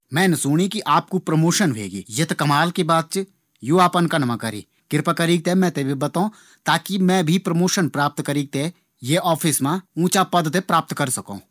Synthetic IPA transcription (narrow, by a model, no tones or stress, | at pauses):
mɛ̃ːnsʊːɽ̃ikiʔaːp̚kupɾəmoːʃənbʱḛːɡḭːjɐt̪kɐmaːlkibaːt̪̚t͡ʃ | juːaːpənkanɐmə̃kəɾḭː | kɪɾpakɐɾiːɡ̚t̪emɛ̃t̪eːbʱibɐt̪õ | t̪aːkimɛ̃bʱipɾəmoːʃənpɾaːp̚t̪kəɾiːɡ̚t̪e | jeʔɔːpʰɪsmãũːt͡ʃapɐd̪t̪epɾaːp̚t̪kəɾsɐkõ̰ː